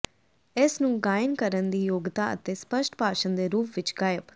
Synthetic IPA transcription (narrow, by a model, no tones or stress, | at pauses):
ɪsnũːɡaːjənkəɾənd̪iːjoːɡt̪aːə̰t̪eːspəʃʈpaːʃənd̪eːɾuːpʰʋɪt͡ʃɡaːjəp